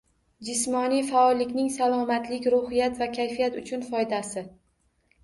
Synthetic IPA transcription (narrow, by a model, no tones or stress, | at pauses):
d͡ʒɪsmɒnijfaɒlːɪkʲnɪŋsalˠɒmat̪lɪkʲɾʊhɪjat̪vakʲʰajfijat̪ʊt͡ʃʰʊnfɒjd̪asɪ